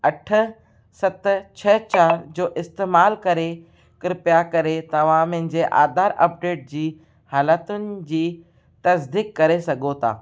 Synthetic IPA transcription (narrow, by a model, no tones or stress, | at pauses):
ɐʈʰʊ̆ | sɐt̪ʊ̆t͡ɕʰɐt͡ɕaːɾd͡ʑoːʔɪst̪eːmaːlkɐɾe | kɪɾɪpjakɐɾet̪ɐʋ̤ãmɪ̃ɦɪ̃ɲd͡ʑeːʔa̰ːd̪aːɾɐ̰p̚ɖeːʈ̚d͡ʑiː | haːlət̪ʊnɪ̆d͡ʑiː | t̪ɐsd̪iːkːɐɾesɐɡʱot̪ʰa̰ː